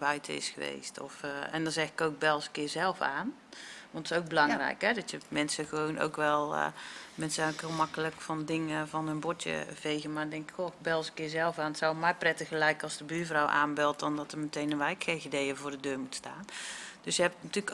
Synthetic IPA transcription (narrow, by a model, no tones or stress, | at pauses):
bœɥtʰəɪ̰sxəʋḛːstʰɔ̰fɛ̰ndɔnzɛxɪ̥kowk̚bɛlˠskɪːrzɛlˠfaːn | ʋɔntɪ̥sowk̚bəlɑŋrɛ̰jkɦɛdɔtjəmɛnsəxəʋoːno̰wkʋɛl̰ˠmɛnsokhɪlˠmakələkfɔndɪŋəvɔnənbɔtjə̰v̥eːɣənmadɛŋkɪ̥kxobɛlˠsəkɪːzɛlˠfaːnətsawmɛjprɛtəɣəlɛjkəɑlˠsdəbyːvrawʔa̰ːnbɪlˠt̚dɔndɔtəmətejnənʋɛjkxeɣidejəvʊːrdədøːmutstaːnd̥øsjəɦɛp̚nətyːlk